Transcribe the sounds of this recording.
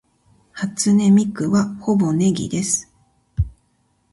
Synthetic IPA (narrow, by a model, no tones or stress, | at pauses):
hat͡sɨne̞mʲikɯ̟βaho̞bo̞ne̞ɡʲḭd̪e̞sɨ̥